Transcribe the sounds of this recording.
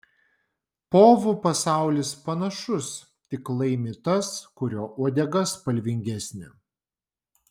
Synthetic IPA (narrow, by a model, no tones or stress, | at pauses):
poːʋupɐsɑˑʊlʲɪspɐnɐʃʊs | t̪ʲɪklˠɐɪmʲɪt̪ɐskʊɾʲoːʔuɔd̪ʲɛɡɐspɐlʲʋʲɪŋʲɡʲæsʲnʲɪ̰